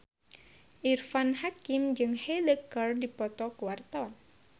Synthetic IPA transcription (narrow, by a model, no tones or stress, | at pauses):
ʔirfanhakimd͡ʒɨŋhɛləkərdipɔt̪ɔkuwart̪awan